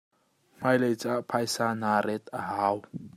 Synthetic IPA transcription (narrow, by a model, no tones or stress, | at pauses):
majlejt͡saʔpʰajsanaɾet̪aɦaw